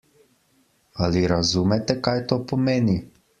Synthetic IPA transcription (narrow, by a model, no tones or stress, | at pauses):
aliɾazuːmɛt̪ɛkajt̪oːpɔmeːni